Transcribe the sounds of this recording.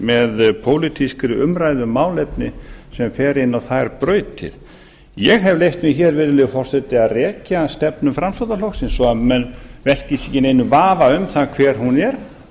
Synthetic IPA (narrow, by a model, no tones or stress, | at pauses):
mɛðpʰoːwlit̪ʰiskɾʏʏmɾajðʏmaːwlɛpnɪsɛmfɛːɾɪnːawθajɾpɾœːɥt̪ʰɪ̰ð̥ | jɛɣɦɛvlejht̪mɪçɛːɾvɛːɾɪlɪfɔr̥sɛt̪ɪaðrɛːcast̪ɛpnʏmfɾamslowðalowxksɪnsɔaðmɛnvɛl̥cɪsɛcɪnejnʏvaːvaʏmθakʰvɛːɾ̥hunɛɾ̥